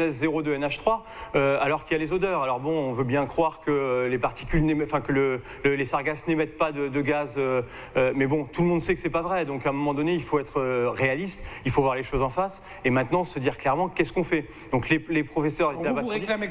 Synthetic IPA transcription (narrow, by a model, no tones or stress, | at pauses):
ɛzzeʁod̪øɛnaʃt̪χwa | øalɔʁkiljalezod̪œːʁalɔʁbɔ̃ɔ̃vøbjɛ̃kχwaʁkəølepaʁt̪i̥kʲylneɑ̃fɛ̃kələ | ləlesaʁɡasnemɛt̪̚pad̪əd̪əɡazø | mɛbɔ̃t̪uləmɔ̃d̪sɛkə̥sɛpavʁɛd̪ɔ̃kɛ̃mɔmɑ̃d̪ɔneilfoɛt̪χəʁealist̪ilfovwaʁleʃozɑ̃fas | emɛ̃t̪nɑ̃səd̪iʁklɛʁmɑ̃kʲɛskɔ̃fɛ | d̪ɔ̃klelepχɔfɛsœʁlealabasʁa